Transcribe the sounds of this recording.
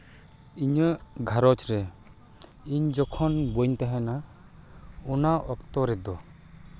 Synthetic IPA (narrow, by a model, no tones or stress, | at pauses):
iɲəɡʱaɾɔt͡ʃɾɛ | iɲd͡ʒɔkʰɔnbuɲt̪aɦɛ̃na | ɔnaʔɔkt̪ɔɾɛd̪ɔ